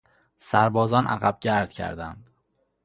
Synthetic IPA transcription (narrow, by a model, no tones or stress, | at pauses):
sæɾbɒːzɒːnʔæ̰ɣæb̚ɟæɾd̪̥̚cʰæ̰ɾd̪ænd̪